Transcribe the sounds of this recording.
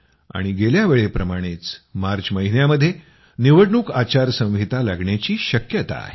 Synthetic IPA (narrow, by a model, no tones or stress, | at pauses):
a̰ɽ̃iɡeljaʋeɭepɾəmaɽ̃et͡smaɾd͡ʑməɦinjaməd̪ʱːje | niʋəɽɳuːkat͡ɕaɾsə̃w̃ʋit̪alaɡɳjat͡ɕiːɕəkjət̪a̰ḛ